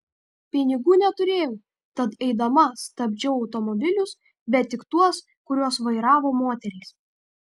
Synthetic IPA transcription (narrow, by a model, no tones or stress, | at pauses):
pʲɪnʲɪɡuːnʲɛt̪ʊɾʲeːjɛʊ | t̪ɐt̪ɛɪd̪ɐmɐst̪ɐbʲd͡ʒʲɛʊɒʊt̪ɔmɔbʲɪlʲʊs | bʲɛt̪ʲːɪkt̪uɔs | kʊɾʲuɔsʋɐɪɾɑːʋoːmoːt̪ʲɛɾʲɛːs